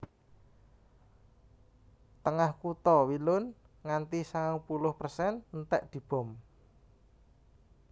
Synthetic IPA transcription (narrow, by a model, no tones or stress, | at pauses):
t̪əŋahkut̪ɔwilʊn | ŋant̪isaŋaŋpulʊhpərsɛnnt̪ɛʔd̪̥i̤b̥ɔ̤m